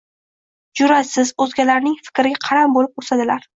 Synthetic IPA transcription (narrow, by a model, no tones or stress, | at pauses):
d͡ʒʊɾasɪzɵzɡʲalaɾnɪŋfɪ̥kʲɾɪɡʲaqʰɑɾambolɪp̚osad̪ɪlaɾ